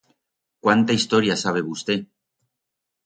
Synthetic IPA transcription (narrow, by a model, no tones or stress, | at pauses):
kwant̪aist̪oɾjasaβ̞e̞βust̪e̞